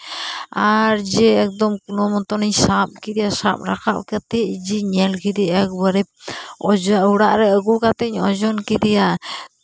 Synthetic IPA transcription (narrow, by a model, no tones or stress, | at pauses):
aɾd͡ʒɛːk̚d̪ɔmkunɔmɔt̪ɔniɲsap̚kid̪ɛjasa̰p̚ɾaka̰ʔkat̪ɛʔd͡ʒiɲɛlkid̪ɛɛk̚bəɾɛp̚ɔd͡ʒuɽaʔɾɛəɡukat̪ɛɲɔ̰d͡ʒɔnkid̪ɛja